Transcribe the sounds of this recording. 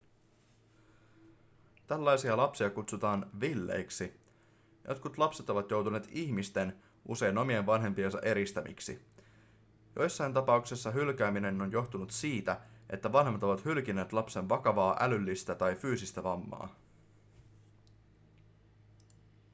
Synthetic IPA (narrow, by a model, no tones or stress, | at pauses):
t̪ælːɑjsiɑlɑpsiɑkut̪sut̪ɑːnʋilːe̞̰jksi | jʔot̪kut̪lɑpse̞t̪o̞ʋɑt̪jo̞wt̪une̞ːt̪içmist̪e̞n | ʔṵse̞jno̞mienʋɑnɦe̞mpiensɑ̰ʔe̞ɾist̪æmḭksḭ | jo̞jsːɑjnt̪ɑpɑuksesːɑɦylk̟æːmine̞no̞njo̞xt̪unut̪siːt̪æʔe̞̰t̪ːæʋɑnɦemːɑt̪o̞ʋɑt̪hylk̟ine̞ːt̪lɑpse̞nʋɑkɑʋɑːʔælylːist̪æt̪ɑjfyːsist̪æʋɑmːɑ̰ː